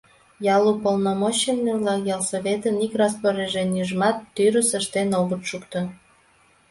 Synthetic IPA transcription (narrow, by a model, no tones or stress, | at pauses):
jɑlupolnomoɕenːeβlɑkjɑlˠsoβet̪ənikrɑspoɾeʒenjyʒmɑt̪ːyɾəsəʃt̪enoβət̪ʃukt̪o